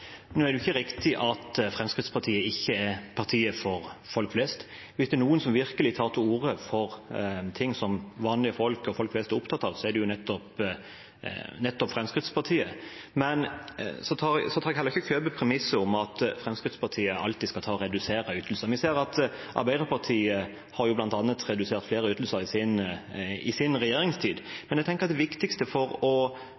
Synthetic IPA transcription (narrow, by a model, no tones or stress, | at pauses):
nøːæɾd̪ɛʉɪçːəɾɪkt̪ɪʔɑt̪fʁɛmskʁɪt̪spɑʁt̪ʰiːəɪçːəɛpʰɑʁt̪ʰiːəfɔɾfɔlkflɛst̪ | ʋɪsd̪ɛnuːənsɔmʋɪɾkəlɪt̪ʰɑːʁt̪ʰɪuːɾəfɔɾt̪ʰɪŋːsɔmʋɑːnlɪəfɔlkɔfɔlkflɛst̪ɛɾʊpt̪ʰɑt̪ːɑʋsɔɛd̪ɛjʊnɛt̪ːɔp | nɛt̪ːɔpfɾɛmskɾɪt̪spʰɑɾt̪ʰiːə | mɛnsɔt̪ʰɑɾsɔt̪ʰɑːɾɛɡhɛləʁɪçəkʰøːbəpʰɾɛmɪsːəʊmɑt̪fɾɛmskʁɪt̪spʰɑɾt̪ʰiːəʔɑ̰lt̪ɪskɑt̪ʰɑːɔɾɛd̪ʉseːɾəyːt̪ʰəl̩səɾmʋɪseːɾɑt̪ʔɑɾbæɪd̪əɾpʰɑt̪ʰiːə | hɑɾjʊblɑnt̪ɑnːət̪ɾɛd̪ʉseːɾt̪fleːɾəyːt̪l̩səɾɪsɪn | ɪsɪnʁɛjeːɾɪŋst̪ʰiːd̪mɛnjɛɡt̪ɛŋkəɾɑt̪d̪ɛʋɪkt̪ɪkst̪əfɔɾɔ